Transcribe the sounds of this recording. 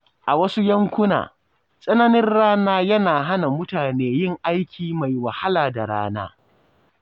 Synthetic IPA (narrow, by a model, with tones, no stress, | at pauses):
ʔa˨wɐ˦su˦jɐ˦ŋkʷʊ˦na̰ː˨ | sʼɐ˦nɐ˦nɪ˦nɽaː˦naː˦jɐ˦naː˨ɦa˦na˨mʊ˦taː˨neː˦jɪ˦ŋʔa˦jkʲʰiː˨ma˨jwɐ˨ha˦laː˨da˨ɽa̰ː˦na̰ː˦